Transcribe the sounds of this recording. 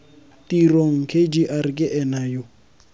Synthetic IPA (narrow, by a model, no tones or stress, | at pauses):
tiɾoŋ̩kʰed͡ʒiʔaɾkʼɪʔɛnajo